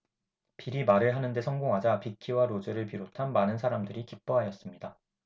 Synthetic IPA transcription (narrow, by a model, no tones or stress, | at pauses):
piɾimaɾɯɭɦanɯnde̞sʰʌŋɡoŋɦad͡ʑapikʰiwaɾod͡ʑɯɾɯɭpiɾotʰanmanɯnsʰaɾamdɯɾikip͈ʌɦajʌs͈ɯmɲida